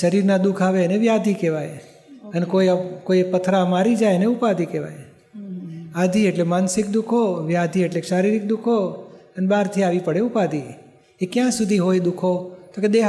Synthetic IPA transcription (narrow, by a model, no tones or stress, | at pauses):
ʃəɾiɾnad̪ukʰaʋeəneʋjad̪ʱikeʋaj | ənekojkoiepət̪ʰɾamaɾid͡ʒajəneupad̪ʱikeʋa̰j | ad̪ʱieʈlemansɪk̚d̪ukʰoʋjad̪ʱieʈleʃaɾiɾik̚d̪ukʰoənebaɾt̪ʰiaʋipəɽeupad̪ʱi | ekjãsud̪ʱiɦojd̪ukʰot̪oked̪eɦ